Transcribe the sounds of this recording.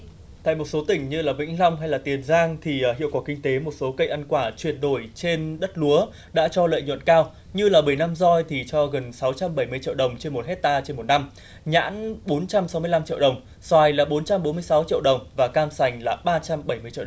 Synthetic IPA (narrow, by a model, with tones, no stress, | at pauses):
t̪a̰ː˧˨jmo˨˩t̚so˨˦t̪ï˨˩ŋ̟ɲɨ˧laː˨˩vï˧˥ŋ̟la˧wŋ͡mɦa˧jlaː˨˩t̪i˨˩ənzaː˧ŋt̪ʰi˨˩˨ɦḭ˧˨wkwaː˧˩kï˧ŋ̟t̪e˨˦mo˨˩t̚so˨˦kə˧jʔa˧nkwaː˧˩t͡ɕwi˨˩ən̚ɗo˧˩jt͡ɕe˧nɗə˦˥t̚lu˨˦ə | ɗa̰ː˧˥t͡ɕɔ˧lə̰ː˧˨jɲwə̰˧˨nkaː˧w | ɲɨ˧laː˨˩ɓə˧˩jna˧mzɔ˧jt̪ʰi˨˩t͡ɕɔ˧ɣə˨˩nsa˨˦wt͡ɕa˧mɓə˧˩jm˧əjt͡ɕḭ˧˨əwɗə˨˩wŋ͡mt͡ɕe˧nmo˨˩t̚hɛ˦˥t̚t̪aː˧t͡ɕe˧nmo˨˩t̚na˧m | ɲa̰ː˧˥nɓo˨˦nt͡ɕa˧msa˨˦wmɨ˧əla˧mt͡ɕḭ˧˨əwɗə˨˩wŋ͡m | swaː˨˩jlaː˨˩ɓo˨˦nt͡ɕa˧mɓo˨˦nmɨ˧əjsa˨˦wt͡ɕḭ˧əwɗə˨˩wŋ͡mvaː˨˩kaː˧msa˨˩jŋ̟laː˨˩ɓaː˧t͡ɕa˧mɓə˧˩jmɨ˧ət͡ɕḭ˧˨˩